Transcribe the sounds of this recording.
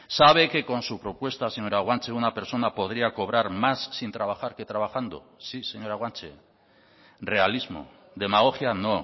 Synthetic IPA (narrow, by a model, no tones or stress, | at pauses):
saβ̞e̞ke̞ko̞nsupɾo̞pwe̞st̪ase̞ɲo̞ɾaɣwant͡ʃe̞unape̞ɾso̞napo̞ð̞ɾiako̞β̞ɾaɾmasːint̪ɾaβ̞axaɾke̞t̪ɾaβ̞axand̪o̰ | sise̞ɲo̞ɾaɣwant͡ʃe | re̞alizmo̞̰ | d̪e̞maɣ̞o̞xjano̞